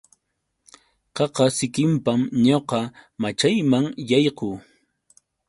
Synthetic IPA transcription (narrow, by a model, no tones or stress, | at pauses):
qɑqɑsɪkɪmpamɲoqɑmat͡ʃajmaŋjɑjquː